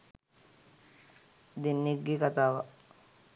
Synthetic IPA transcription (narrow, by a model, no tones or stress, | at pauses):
d̪inːiɡikat̪aːʋa